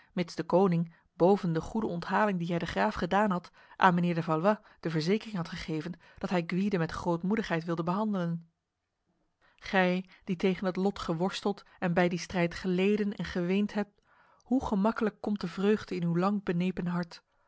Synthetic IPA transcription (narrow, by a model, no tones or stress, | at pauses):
mɪtsdəkownɪŋ | bowvəndəχudəɔntɦaːlɪŋdiɦɛjdəχraːfχədaːnɦɑt | ʔa̰ːnmənɪːɹdəvɑlˠʋɑ | d̥əvəɹzejkərɪŋɦɑtχəχejvən | d̥ɑtɦɛjɡʋidəmɛtχrowtmudəχɦɛjtʋɪlˠdəbəɦɑndələn | χɛjd̥itejχənɦətlɔtχəʋɔɹstəlˠt | ɛnbɛjdistrɛjtχəlejdənɛ̰nχəʋejntɦɛp̚t | huχəmɑkələkːɔmt̚dəvrøɥχdəɪnywlɑŋbənejpənɦɑɹt